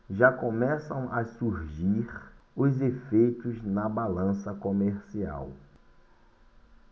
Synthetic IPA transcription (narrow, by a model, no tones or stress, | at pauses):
ʒakõmɛsɐ̃w̃ɐsuɾʒiɾʊzefejt̪ʊznɐbalɐ̃sɐkomeɾsia̰w